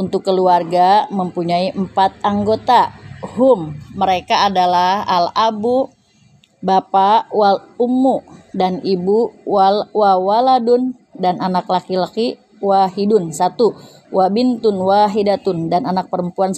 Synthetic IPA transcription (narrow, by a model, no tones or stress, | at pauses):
unt̪ʊkːəluarɡaməmpuɲaiʔmpat̪̚aŋɡot̪aɦʊmːəɾekaːdalaha̰labu | bapawal | umːudanibuwalwawaladʊn | danʔanaklakilaki | waɦidʊnsat̪u | wʔabint̪ʊnwaɦidat̪ʊndananak̚pəɾəmpuans